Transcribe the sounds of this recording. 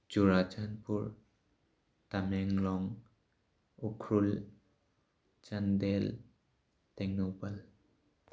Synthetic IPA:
t͡ʃuɾat͡ʃanpuɹ | tamɛŋlɔŋ | ukʰɾul | t͡ʃandel | tɛŋnupal

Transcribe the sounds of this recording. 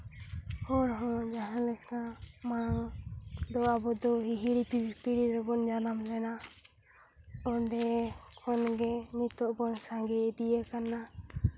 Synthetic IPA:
hɔɾɦɔ̃d͡ʒaɦalɛkʰamaɽaŋd̪ɔabɔd̪ɔɦiɦiɽipipiɽiɾɛbɔnd͡ʒanamlɛna | ɔɖɛkʰɔnɡɛnit̪ɔʔbɔnsãŋɡɛd̪ijɛkana

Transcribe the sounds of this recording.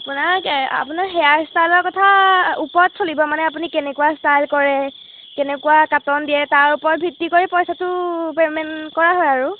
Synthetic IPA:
apʊnaɹa̰pʊnaɹxɛjaɹstajlɔɹkɔtʰaupɔtsolibɔmanɛapunikɛnɛkuwastajlkɔɹɛ | kɛnɛkuakatɔndijɛtaɹupɔɹɔt̚bʱitːikoɹipɔjsatʊpemɛnkɔɹaɦɔjaɹʊ

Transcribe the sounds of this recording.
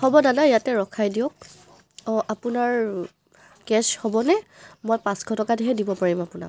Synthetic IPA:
xɔbɔdanajatɛɹɔkʰajdiok̚ | ʔapunaɹ | kɛshɔbɔnɛmɔjpãsɡʰʱɔtɔkadiɦɛdibɔpaɹimapʊna̰k

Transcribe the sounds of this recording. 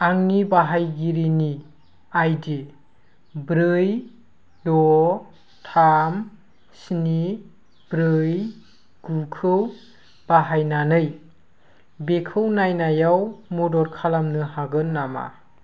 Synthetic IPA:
aŋnibaɦajɡiɾini | ajdi | bɾɯj | dɔ | tʰam | sni | b̥ɾɯj | ɡ̥ukʰɯw | b̥aɦajnanɯj | bekʰɯwnajnajawmudɔɾkʰalamnɯhaɡɯnːama̰

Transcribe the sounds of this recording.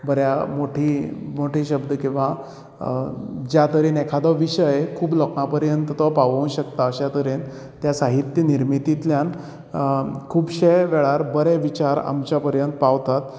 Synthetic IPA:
bəɾjamoʈʰiːmoʈʰiːɕəbd̪əkĩw̃ʋa | d͡ʑjat̪əɾiːnekʰad̪ɔʋiɕəjkʰuːblɔkãpəɾjənt̪t̪ɔpaʋəũɕəkt̪aəɕat̪əɾiːn | t̪jasaɦit̪jəniɾmit̪it̪ljan | kʰuːbɕejʋɛɭaɾbəɾɛʋit͡ɕaɾa̰mt͡ɕapəɾjənt̪paʋt̪at̪

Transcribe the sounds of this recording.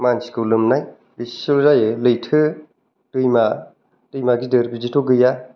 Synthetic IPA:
mansi̥kɯwlɯmnaj | bissolzajɯlɯjtʰɯ | tɯjma | tɯjmaɡidɯɾbizitʰoɡɯja

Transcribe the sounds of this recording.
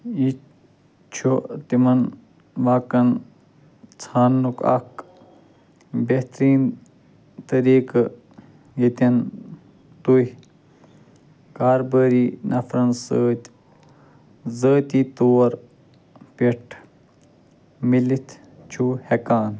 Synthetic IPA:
i | t͡ʃʰut̪imɐn | ʋaːkɐn | t͡sʰaːnːukɐ̰k | beht̪ɾiːn | t̪ɐɾiːk | jit̪ɐn | t̪uh | kaːɾbəːɾiːnʔɐfʰɾɐnsəːt̪ʲ | zəːt̪ʲiːt̪oːɾ | peʈʰ | milit̪ʰ | t͡ʃʰuhekaːn

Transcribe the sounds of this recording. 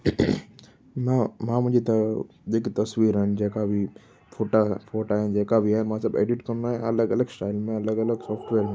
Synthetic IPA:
mamãmʊd͡ʒʱet̪ | d̪eːkit̪ɐswiːɾɦɛ̃nd͡ʒɛːkabʱi | pʰoːʈapʰoːʈaɦɛ̃d͡ʒɛːkabʱiɦɛ̃mãsəbḛːɖiʈkɐnnaɦɛ̃ɐləɡɐləɡsʈaːɪlmẽɐləɡɐləɡsɔːpʰʈʋeːɾmẽ

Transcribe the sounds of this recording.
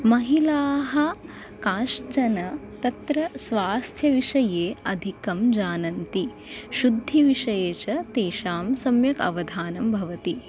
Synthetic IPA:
mɐɦilaːɦɐ | kaːʃt͡ʃɐnɐ | t̪ɐt̪ɾɐsʋaːst̪ʰjɐʋiʂɐjeːɐd̪ʱikɐmd͡ʒaːnɐnt̪i | ʃud̪ʱːiʋiʂɐjeːt͡ʃɐt̪eːʃaːmsɐmjɐkɐ̰ʋɐd̪ʱaːnɐmbʱɐʋɐt̪i

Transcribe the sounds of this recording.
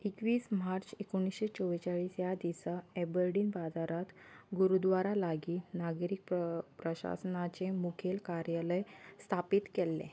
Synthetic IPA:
ikʋiːsmaɾt͡sekoɽ̃isɕet͡sɔʋt͡ɕaɭiːsjad̪isaebəɾɖiːnbad͡zaɾat̪ɡuɾud̪ʋaɾalaɡiːnaɡɾik̚ppɾəɕa̰sənat͡ɕemukʰelkaɾjaləjst̪ʰapiːt̪kelːḛ̃

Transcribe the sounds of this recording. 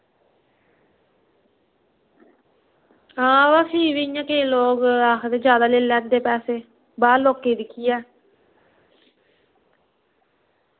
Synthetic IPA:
ãːʋaːsiːʋiːjãːkeloːkɾaːkʰd̪eːd͡ʒjaːd̪aːleːlɛ̃ːnd̪eːpɛːseː | baːloːkːeːd̪ɪkʰːijɛː

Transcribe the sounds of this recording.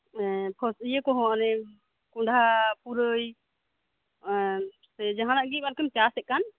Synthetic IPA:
ɛpʰɔsijəkɔɦɔ̃nɛ | kuɳɖʱapuɾəj | sɛd͡ʒaɦanaʔɡipaɾkəmt͡ʃasɛʔ̚kan

